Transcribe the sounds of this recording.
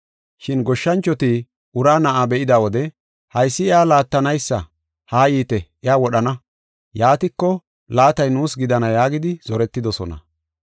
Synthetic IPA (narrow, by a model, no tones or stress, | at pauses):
ʃɪnɡɔʃːɐnt͡ʃːɔt̪i | ʊɾaːnɐʔaːbɛʔɪd̪aːwɔd̪ɛ | hɐjsːɪɪaːlaːt̪ːɐnɐjsːɐ̰ | haːjiːt̪ɛʔɪaːwɔɗɐnɐ | jaːt̪ɪkːɔ | laːt̪ɐjnuːsɡɪd̪ɐnɐjaːɡɪd̪ɪz̥ɔɾɛt̪ːɪd̪ɔsɔ̰nɐ̰